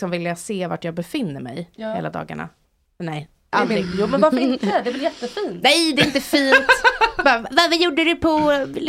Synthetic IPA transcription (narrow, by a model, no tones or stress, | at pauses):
sɔmvɪljaseːva̰ʈjɑːɡ̚bɛfɪnːəɾmɛ̰jhḛːlad̪ɑ̰ːɡa̰ɳa̰ | nɛj | adɪjuːmɛnvaɾfəɪnt̪ɛd̪ɛvɛljɛt̪ːəfiːnt̪nɛjd̪ɛɪnt̪əfiːnt̪bɑːvavajuɖːəɾɛpʰɔ